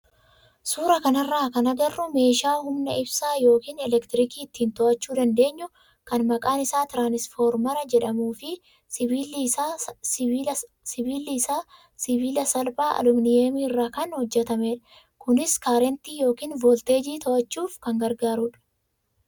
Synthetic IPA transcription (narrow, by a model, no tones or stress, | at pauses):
suːɾɐkɐnɐrːaːkɐnɐɡɐrːʊme̞ːʃaːhʊmnɐʔɪbsaːjo̞ːkiːnɛlɛkt̪ɪɾɪkiːɪt̪ːiːnt̪ɔʔɐt͡ʃːuːd̪ɐnd̪e̞ːɲːʊ | kɐnmɐkʼaːnɪsaːt̪ɪɾaːnɪsfoːɾmɐɾɐd͡ʒɛᶑɐmuːfɪ | ɪiːla | ɪiːlaː | sɪβiːlɐsɐlbaːʔɐ̰lʊmnɪemiːɪrːaːkɐnhɔd͡ʒːɛt̪ɐmeːᶑɐ̥ | kʊnɪskaːɾɛnt̪iːjo̞ːkiːnvoːlt̪e̞ːd͡ʒiːt̪ɔʔɐt͡ʃːuːfkɐŋɡɐɾɡaːɾuːᶑɐ̥